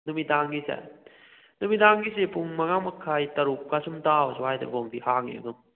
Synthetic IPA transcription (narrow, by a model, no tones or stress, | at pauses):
numitaŋɡisḛ | numitaŋɡisepuŋmɐŋamɐkʰːajtɐɾup̚kasumtawswajdɐ̰bombihaŋḛɐ̰ɡɐm